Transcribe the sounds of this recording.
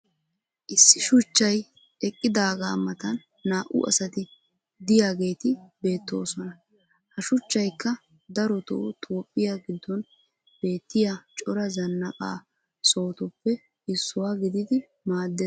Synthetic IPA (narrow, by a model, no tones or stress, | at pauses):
ʔɪsːɪʃʊt͡ʃːɐj | ɛkʼːɪd̪aːɡaːmɐt̪ɐnː | aːʔʊ̰ʔɐ̰sɐt̪ɪ | d̪ɪjaːɡe̞ːt̪ɪbe̞ːt̪ːo̞̰ːsɔnɐ | hɐʃʊt͡ʃːɐjkːɐ | d̪ɐɾɔt̪ɔ̰ʊt̪ʰʼoːpʼːɪjaɡɪd̪ːɔn | b̥e̞ːt̪ːɪjat͡ʃʼɔɾɐzɐnːɐkʼa̰ː | so̞ːt̪ʊpːɛ | ɪsːʊwaːɡɪd̪ɪd̪ɪ | maːd̪ːe